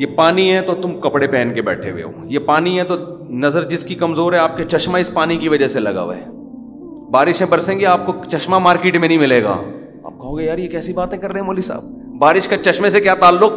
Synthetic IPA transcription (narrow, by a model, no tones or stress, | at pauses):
jepaːniɦɛ̃t̪ot̪ʊmkɐpɽepɛːnkebɛ̰ːʈʰḛʋḛo̰ːjepaːniɦɛ̃t̪o | nɐzəɾd͡ʒɪskikɐmzoːɾɦɛaːp̚ket͡ʃɐʃmaɪspaːnikiʋɐd͡ʒəselɐ̰ɡa̰ːʋḛː | baːɾɪʃɦɛ̃bɐɾsẽːŋɡeaːp̚kot͡ʃɐʃmamaːɾkɪːʈmẽnɐɦĩmɪleːɡa̰ː | a̰ːp̚kɐɦoːɡejaːɾjekɛːsibaːt̪ẽkɐɾːɐɦɛ̃moːlisa̰ːb̚ | baːɾɪʃkat͡ʃɐʃmẽsekjaːt̪aːlːʊk̚